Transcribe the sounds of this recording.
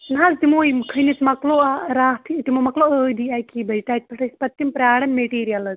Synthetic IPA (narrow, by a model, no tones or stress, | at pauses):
nɦaːzt̪imoːimkʰəjnit͡s̪mɐkloːaɾaːt̪ʰit̪imoːmɐkloəːd̪iaːkiːbɐjʈaːt̪̚pʰɐʈʰɐsʲpɐt̪ːimpɾʲaːɽɐmːeʈiːɾijɐlɐz